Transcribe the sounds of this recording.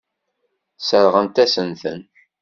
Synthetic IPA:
səɾʁəmt̪æsənθə̰n

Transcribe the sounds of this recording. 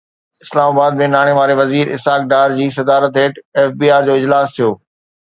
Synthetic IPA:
ɪslaːmaːbaːd̪mẽnaːɽ̃eʋaːɾeʋɐziːɾɪ̰saːk̚ɖaːɾd͡ʑiːs̬ɐd̪aːɾət̪ɦeːʈɛːfbiːaːɾd͡ʑoːɪd͡ʑlaːst̪ʰijoː

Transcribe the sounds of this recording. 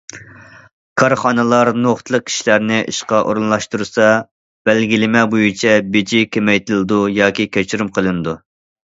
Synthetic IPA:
kʰɑɾχɑnɨlˠɑɾnoχt̪ʰlˠəq̚kʲʰi̥ʃlæɾnɪʔḭʃqɑʔo̰ɾunlˠɑʃt̪uɾsɑ | b̥ɛlɡʲilɪmɛbojit͡ʃʰɛbed͡ʒikʲemɛjt̪ɨlˠɨd̪ujɑːkʲikʲʰɛt͡ʃʰyɾymqʰəlˠɨnɨd̪u

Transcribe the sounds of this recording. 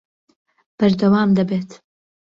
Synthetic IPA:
b̥ɐɾd̪ɐwaːmd̪ɐbeːt̪

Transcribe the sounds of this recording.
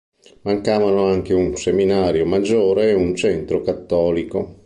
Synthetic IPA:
maŋkaːvanoaŋkeunseminaːɾjomad͡ʒːoːɾeːunt͡ʃɛnt̪ɾokat̪ːɔːliko

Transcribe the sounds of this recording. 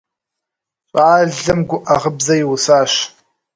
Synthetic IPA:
ɕʼaːɮɐmɡʷʊʔaʁəbzɐjɪwʊsaːɕ

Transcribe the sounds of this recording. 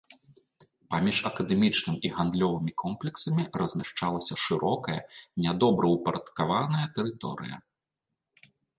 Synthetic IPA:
pamʲiʂɐkɐd̪ɛmʲit͡ʂnɨmiɣand̪lʲɔvɨmʲikʰɔmplʲɛksɐmʲirɐzʲmʲaʂt͡ʂalˠɐsʲɐʂɨɾʔɔkɐjɐ̰nʲad̪ɔbɾɐwpɐɾɐt̪kavanɐjɐt̪ɛɾɨt̪ɔ̰ɾɨ̰jɐ̰

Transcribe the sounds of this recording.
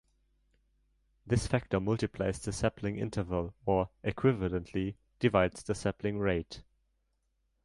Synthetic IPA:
ðɪsfæk̚tə˞mʌlˠtɨpʰl̥a̰ɪzðəsɛpʰlɪ̃ŋɪ̰̃ntʰə˞vəlˠə˞ʔɪkʰw̥ɪvələ̃nʔʰli | d̥ɨvaɪdz̥ðəsɛpʰlɪ̃ŋɹeɪt

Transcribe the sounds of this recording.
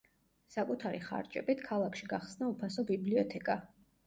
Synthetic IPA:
sakʼut̪ʰaɾḭχa̰ɾt͡ʃʼɛ̰bit̪ʰkʰalˠakʰʃiɡaχsnaupʰasɔbibliɔt̪ʰɛkʼa

